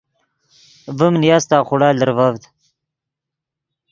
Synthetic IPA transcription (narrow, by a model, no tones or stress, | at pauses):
vəmnjast̪aːχʊɽaːld̪əɾvavd̪